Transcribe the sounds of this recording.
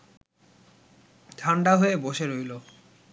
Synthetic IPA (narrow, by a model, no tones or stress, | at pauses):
t̪ʰaɳɖaɦoeboʃeɾojlo